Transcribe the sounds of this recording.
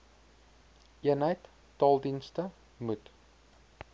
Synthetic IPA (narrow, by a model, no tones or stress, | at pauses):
iənɦəjt | tɑːlˠdinstə | mut